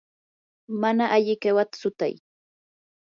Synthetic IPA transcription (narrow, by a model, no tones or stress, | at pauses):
manaʔaʎɪkewat̪ḁsʊt̪a̰j